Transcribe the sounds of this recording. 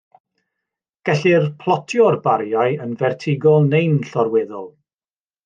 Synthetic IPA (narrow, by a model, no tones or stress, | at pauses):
ɡ̥ɛɬirpʰlˠɔtʰjɔrbaɾjaɨənvɛrtʰɪɡɔlˠnejnɬɔɾwɛðɔlˠ